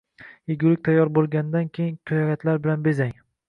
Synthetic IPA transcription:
jeɡʲʊlɪk̚ʲt̪ʰajːɒɾbolˠɡʲand̪ankʲʰejɪŋk̪ʰʊjɒkʲat̪ʰlaɾbɪlanbezaŋ

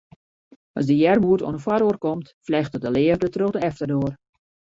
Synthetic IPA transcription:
ɑsdəjɛrmuəto̰nəfwaɾoːrkomtflɛxtədəlɪərdətrøɣdəɛftərdoːər

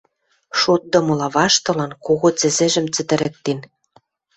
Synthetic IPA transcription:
ʃot̪̚d̪ɤ̆mɤ̆lɑβɑʃt̪ɤ̆lɑnkoɣot͡sɘ̆zɘ̆ʒɘ̆mt͡sɘ̆t̪ɘ̆ɾĕk̚t̪en

